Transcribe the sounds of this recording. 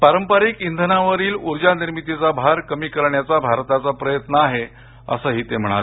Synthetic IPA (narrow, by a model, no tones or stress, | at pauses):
paɾəmpaɾiːkind̪ʱənaʋəɾiːluɾd͡ʑaniɾmit̪et͡sabʱaɾkəmiːkəɾɳjat͡sabʱaɾt̪at͡sapɾəjət̪nəaɦe | ə̰səːɦiːt̪em̤əɽ̃a̰